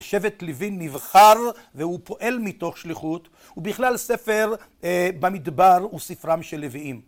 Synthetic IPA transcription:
ʃevet̪livinːivχaʁvehupo̞ʔe̞lmito̞χʃliχut̪ | ubiχlalse̞fe̞ʁbamid̪baʁusifʁamʃeleviim

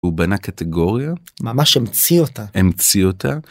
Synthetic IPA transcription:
ubenakat̪eɡo̞ʁjamamaʃemt͡siotaemt͡siota

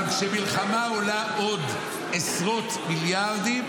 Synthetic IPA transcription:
kʃemilχamao̞laʔo̞d̪ | esʁo̞t̪miljaʁd̪im

